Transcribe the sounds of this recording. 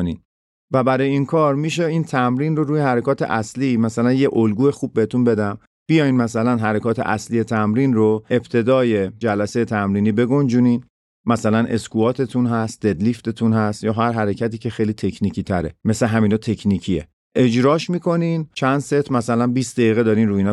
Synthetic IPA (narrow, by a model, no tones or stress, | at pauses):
nḭn | væbæɾɒːjeiːnkʰɒːɾmiːʃeiːnt̪ʰæmɾiːnro̞ɾuːjehæɾekʰɒːt̪ʰe̞̰ʔæsliːmæsælænjeʔolɡuːexub̚ːeet̪ʰunbe̞d̪æm | b̥ijɒjnmæsælænɦæɾekʰɒːt̪ʰe̞̰ʔæslijet̪ʰæmɾiːnroe̞bt̪ʰe̞d̪ɒːje̞d͡ʒælæsejet̪ʰæmɾiːniːbe̞ɡond͡ʒuniːn | mæsælænʔe̞skʰuɒːt̪ʰe̞t̪ʰunɦæst̪̚d̪e̞d̪lift̪e̞t̪ʰunɦæst̪jɒːɦæɾɦæɾecʰæt̪iːcʰe̞xejlit̪ʰe̞cʰnicʰiːt̪ʰæɾḛme̞sleɦæmiːnɒt̪ʰe̞cʰniːcʰiḛ | ʔe̞d͡ʒɾɒːʃmiːkʰo̞nint͡ʃʰænd̪set̪ʰmæsælænbiːsd̪eiːɣed̪ɒːɾiːnɾuːjin